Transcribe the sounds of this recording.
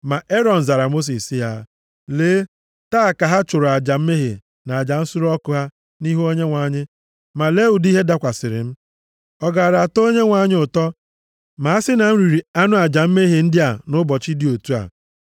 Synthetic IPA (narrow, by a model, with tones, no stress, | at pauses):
ma˨ʔe˦ɾɔ˨n̩˨za˨ɾa˨mo˦s̬i˨si˦ɦa̰˦ | leː˨˦ | taː˦˨ka˨ɦa˦t͡ʃʊ˨ɾʊ˨a˨d͡ʒa˨m̩˦me˦ɦḛ˨ | na˨a˨d͡ʒa˨n̩˦sʊ˦ɾɔ˦kʊ˨ɦa˦ | ni˦ɦo˦ɲe˦ŋʷa˨˦˨ɲɪ˦ | ma˨le˦u˨di˦ɦe˦da˦kʷa˨sɪ˨ɾɪ̰˨m̩˦ | ɔ˨ɡa˨ɾa˨a˨to˦ɲe˦ŋʷa˨ɲɪ˦ʊ˨tɔ˦ | ma˨a˦sɪ˦na˨m̩˦ɾi˨ɾi˨a˦nʊ˦a˨d͡ʒa˨m̩˦me˦ɦe˨n̩˦dɪ˦a˨nʊ˦bɔ˨t͡ʃi˦di˦o˨tu˦a̰˨